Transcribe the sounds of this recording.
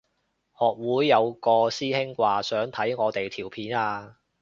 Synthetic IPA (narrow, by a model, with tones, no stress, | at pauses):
hɔː˨k̚wuː˨˥jːɐ˨˧wkɔː˧siː˥hɪ˥ŋkʷaː˧sœː˨˥ŋt̪ʰɐ˨˥jŋɔː˨˧t̪e˨jt̪ʰiː˨˩wpʰiː˨˥naː˧